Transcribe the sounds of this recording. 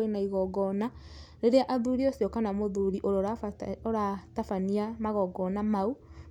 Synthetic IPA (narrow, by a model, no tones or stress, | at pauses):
enaiɣɔɡɔnaɾeɾeaʔaðuɾiosiɔkanamoðuɾiʔoɾoɾaoɾatafaniamaɣɔɡɔnamau